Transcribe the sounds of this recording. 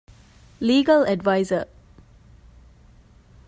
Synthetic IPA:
liːɡəlɛɖʋaɪzə

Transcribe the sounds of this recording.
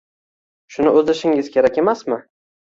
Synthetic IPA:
ʃʊnɪʔɵzd̪ɪʃɪŋɪz̥kʲʰe̞ɾakʲe̞masmɪ

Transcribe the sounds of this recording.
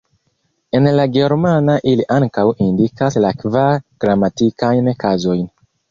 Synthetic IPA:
e̞nlaɡe̞ɾmanaʔiliʔaŋkawindikaslakvaɾɡ̥ɾamatikajnkazo̞jn

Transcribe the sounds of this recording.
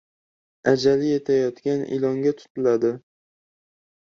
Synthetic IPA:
ad͡ʒalɪje̞t̪ʰajɒt̪kʲanɪ̰lɒŋɡʲat̪ʰʊ̥t̪ʰɪlad̪ɪ

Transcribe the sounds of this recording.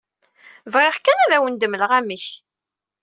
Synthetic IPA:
vʁeʁkːænæðæwənd̪əməlʁæmiç

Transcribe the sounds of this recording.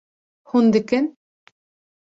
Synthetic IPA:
hund̪ɨkɪn

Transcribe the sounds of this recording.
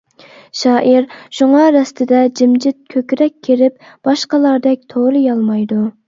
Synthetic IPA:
ʃɑːʔiɾʃuŋɑɾɛst̪ʰɪd̪ɛd͡ʒɪmd͡ʒɪt̪̚kʲʰøkʲɾɛkʲʰːeɾɪp | b̥ɑʃqɑlˠɑɾd̪ɛk̚ʲt̪ʰoɾɨjɑlˠmɑjd̪u

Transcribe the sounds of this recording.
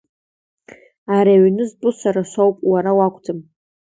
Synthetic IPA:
aɾaɥnɨzbʼʊsʷaɾaʃʷawpʼwaɾawakʷʰʼtʰɨm

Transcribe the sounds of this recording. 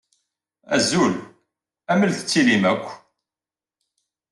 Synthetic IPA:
æ̰zul | æməlθə̥t͡sːilimækʷː

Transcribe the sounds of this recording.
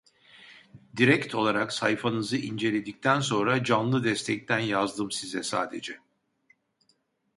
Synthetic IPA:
d̪iɾɛct̪ʰo̞lˠaɾaksajfanɯzɯind͡ʒe̞lʲe̞d̪ic̚t̪ʰæns̬o̞nɾad͡ʒanlˠɯd̪ɛst̪ʰɛc̚t̪ʰænjazd̪ɯmsizɛsa̰ːd̪e̞̰d͡ʒɛ

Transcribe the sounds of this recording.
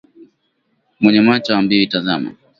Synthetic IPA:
mwɛɲɛmat͡ʃawambiɔitazama̰

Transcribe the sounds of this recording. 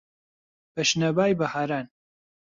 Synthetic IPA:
b̥ɐʃnɐbaːjbɐhaːɾaːn

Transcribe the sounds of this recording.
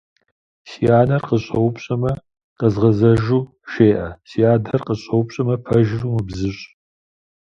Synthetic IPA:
sijaːnɐrqəɕʼɐwpɕʼɐmɐ | qəzʁɐzɐʒuː | ʃeːʔɐsijaːdɐrqəɕʼɐwʊpɕʼɐmɐpʰɐʒɪruːmɨbzɨɕʼ

